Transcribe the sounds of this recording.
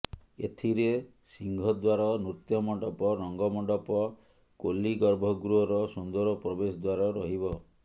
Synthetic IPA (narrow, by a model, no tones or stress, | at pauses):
ḛt̪ʰiɾe | siŋɡʱɔd̪waɾɔnɾut̪jɔmɔɖɔpɔɾɔŋɡɔmɔɳɖɔpɔ | kolːiɡɔɾbʱɔɡɾuɔɾɔsund̪ɔɾɔpɾɔbesɔd̪waɾɔɾɔɦibɔ